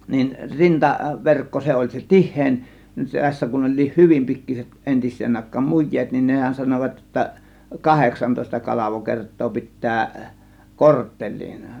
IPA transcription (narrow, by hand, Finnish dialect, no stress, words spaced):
nin rintɑʋerkːo se olʲ se tihˑeˑin se tæsːæ kun ol̆ʲliːh hyʋim pikːiset entisˑeːn ɑˑe̝kˑɑːm mujˑeːt nin nehæn sɑnoʋɑt jotːɑ kɑheksɑntoˑe̝stɑ kɑlɑʋokertˑoː pitˑæː kortːel̆ʲliːn